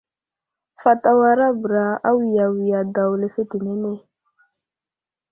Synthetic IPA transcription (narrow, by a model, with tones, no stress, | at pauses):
fa˨ta˦wa˦ɾa˦bɾa˨a˦wi˨ja˨wi˨ja˨da˨wle˨fe˦ti˨ne˦ne˦